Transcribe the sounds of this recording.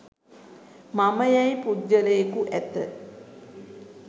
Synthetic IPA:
maməjajpud̪ːələjekuʔæt̪ə̰

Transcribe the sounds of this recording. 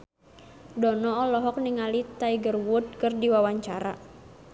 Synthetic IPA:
dɔnɔːlɔɦɔk̚niŋalit̪aiɡərwʊd̪̚kɨrdiwawaɲt͡ʃaɾa̰

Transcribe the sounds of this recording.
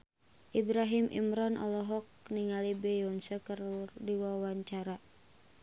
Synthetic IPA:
ʔibɾaɦimʔḭmɾɔnʔɔ̰lɔɦɔk̚niŋalibɛjɔnsəkərurdiwawaɲt͡ʃaɾa

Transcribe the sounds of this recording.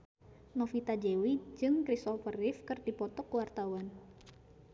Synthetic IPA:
nɔfit̪ad͡ʒewid͡ʒɨŋkɾisɔfərɪfkɨrdipɔt̪ɔkəwart̪awan

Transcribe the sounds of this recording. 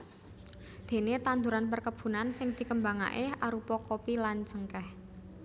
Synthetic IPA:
d̪̥e̤net̪and̪uɾanpərkəb̥ṳnansɪŋd̪̥i̤kəmbaŋa̰ʔeaɾupɔkopilant͡ʃəŋkɛh

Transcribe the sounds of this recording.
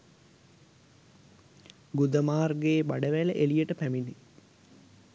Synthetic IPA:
ɡud̪əmaːrɡeːbaɖəʋæləʔelijəʈəpæmini

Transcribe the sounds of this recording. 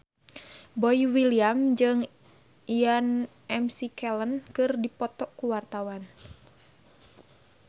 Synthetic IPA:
bɔiwiliamd͡ʒɨŋ | ian | ɛmsikɛlənkɨrdipɔt̪ɔkuwart̪awan

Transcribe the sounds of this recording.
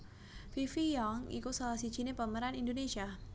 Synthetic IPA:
fifijɔŋḭkusalahsi̥d͡ʒinepəməɾanindonesia

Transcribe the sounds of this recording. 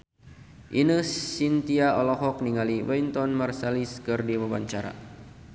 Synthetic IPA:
ʔinəsint̪iaɔlɔɦɔk̚niŋaliwɛjnt̪ɔnmarsaliskɨrdiwabaɲt͡ʃaɾa̰

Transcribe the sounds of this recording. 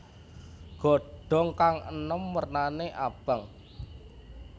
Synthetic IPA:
ɡ̥ɔ̤ɖ̥ɔ̤ŋkaŋənɔmːərnaneʔab̥əŋ

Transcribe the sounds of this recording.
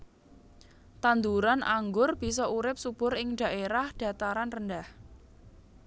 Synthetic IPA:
t̪and̪uɾanaŋɡʊrb̥i̤sɔʔuɾɪp̚sub̥ʊɾɪŋɖ̥a̤ʔeɾahɖ̥ä̤t̪aɾanrəndah

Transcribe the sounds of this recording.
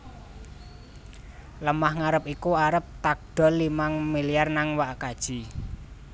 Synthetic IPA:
ləmahŋaɾəp̚ikuaɾəp̚t̪ak̚ɖ̥ɔ̤limaŋmiliarnaŋwaʔkad̥ʒ̥i̤

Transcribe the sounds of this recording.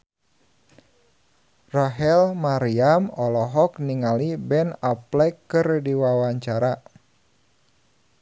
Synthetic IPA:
raɦɛlmaɾiamɔlɔɦɔkniŋalibɛnaplɛkːɨrdiwawaɲt͡ʃaɾa

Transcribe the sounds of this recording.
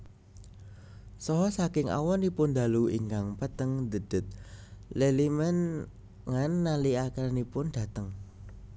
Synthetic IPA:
sɔɦɔsakɪŋa̰wɔnipʊnd̪a̤luḭŋkaŋpət̪əŋd̪ə̤d̪̥ə̤t̪̚lelimɛn | ŋanːaliakanipʊnd̥a̤t̪əŋ

